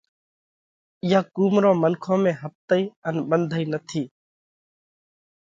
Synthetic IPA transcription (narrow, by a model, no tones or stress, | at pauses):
jaːkuːmɾõmənkʰõmẽɦəp̚t̪əiənbənd̪ʱəinət̪ʰiː